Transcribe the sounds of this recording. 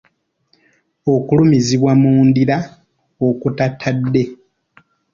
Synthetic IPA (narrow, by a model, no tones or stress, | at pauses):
o̞kulumiziβwamuːndiɾa | okutatʰːadːe̞